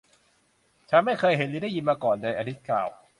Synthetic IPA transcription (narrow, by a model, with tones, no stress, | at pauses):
t͡ɕʰa˦˥ma˥˩jxʰɤː˧jɦe˩˦niː˧˦da˥˩jːi˧nmaː˧kɔː˨˩ndɤː˧jʔa˧t̪ʰi˦˥t̪̚kla̰ː˨˩w